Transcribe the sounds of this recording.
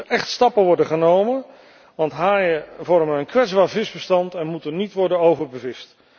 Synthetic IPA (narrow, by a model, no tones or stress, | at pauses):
əʔɛχtstɑpəʋɔɹdəχənowmən | ʋɑntɦaːjəvɔɹməəənkʋɛdzbaːɹvɪzbəstɑntɛnmutənitʋɔɹdənowvəɹbəvɪst